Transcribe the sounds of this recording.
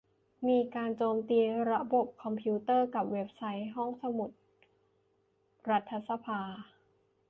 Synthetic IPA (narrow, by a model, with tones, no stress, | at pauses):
miː˧kaː˧nt͡ɕoː˧mt̪iː˧ɾa˦˥bo˨˩p̚kʰɔ˧mpʰi˦˥t̪ɤː˥˩ka˨˩p̚we˦˥p̚sa˦˥jɦɔ˥˩ŋsa˧mu˨˩t̪̚ | ɾa˦˥t̪ʰːa˧˥sa˧pʰaː˧